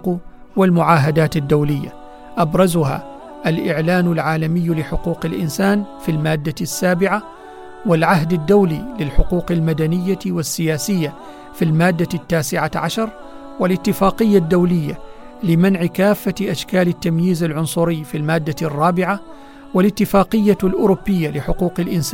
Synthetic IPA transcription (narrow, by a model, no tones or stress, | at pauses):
q | wɪlmʊʕaːɦad̪aːt̪ad̪ːawlɪjːa̰ | ʔabɾˤɑzʊha̰ | ʔalʔɪʕlaːnʊlʕaːlamɪjːlɪħʊquːqɪlʔɪ̰nsaːnfilmaːd̪ːasːaːbɪʕa | wɪlʕaɦd̪ad̪ːawlḭlɪlħʊquːqalmad̪anɪjːawɪsːɪjaːsɪjːa | filmaːd̪ːat̪ːaːsɪʕaʕaʃɑɾˤ | wɪlʔɪt̪ːɪfaːqɪjːad̪ːawlɪjːa | lɪmanʕɪkaːfːaʔaʃkaːlɪt̪ːamjiːzalʕʊnsˤʊɾɪjːfilmaːd̪ːarˤːɑːbɪʕa | wɪlɪt̪ːɪfaːqɨjːalʔʊɾʊbːɪjːalɪħʊquːqɪlʔɪnsaː